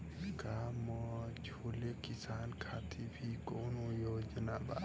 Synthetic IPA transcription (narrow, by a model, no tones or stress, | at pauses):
kamɔd͡ʒʰ | oːlekisaːnkʰat̪ʰibʱikoːnojoːd͡ʒənaba̰